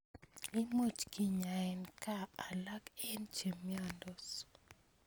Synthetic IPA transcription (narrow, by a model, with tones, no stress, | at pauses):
i˦mo˦˨t͡ʃki˦ɲa˨ɛ˨nkaː˦˨la˦kɛ˦nt͡ʃe˨mi˦a˦˨ndɔ˨s